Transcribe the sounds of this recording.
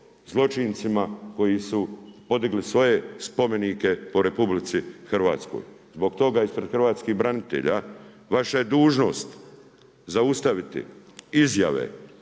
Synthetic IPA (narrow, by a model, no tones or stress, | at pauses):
zlˠo̞t͡ʃint̪simako̞jisupo̞d̪iɡlisʋo̞je̞spo̞me̞nike̞po̞ɾe̞publit̪sixrʋa̰ːt̪sko̰jzbo̞ɡt̪o̞ɡaispɾe̞d̪xr̩ʋaːt̪skiɣbɾanit̪ḛʎa | ʋaʃaje̞d̪uːʒno̞̰ːst̪ | zaust̪aʋit̪ḭizja̰ʋḛ